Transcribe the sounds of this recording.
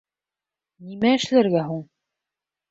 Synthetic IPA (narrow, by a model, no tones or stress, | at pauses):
nimæɘ̆ʃlæɾɡæɦuɴ